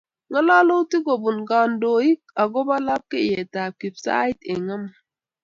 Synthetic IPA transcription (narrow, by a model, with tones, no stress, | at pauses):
ŋə˦lɔ˦lo˦ti˦ɡo˨bu˨nɡa˨ndo˨i˦k̚a˨ɡo˦ba˦la˦p̚ke˦jɛ˨ta˨p̚ki˨bsa̰˦jtɪ˨ŋə˦m